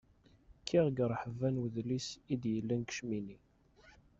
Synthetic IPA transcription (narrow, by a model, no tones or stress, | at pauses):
kʰːiʁɡɾˤħəvænwðlisid̪jəlːənkə̥ʃmini